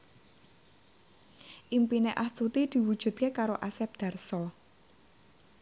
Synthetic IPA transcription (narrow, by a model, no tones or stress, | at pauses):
ʔimpineʔast̪ut̪id̪̥i̤wud̥ʒ̥ṳd̪̚kekaɾoʔasɛp̚d̪̥a̤rsɔ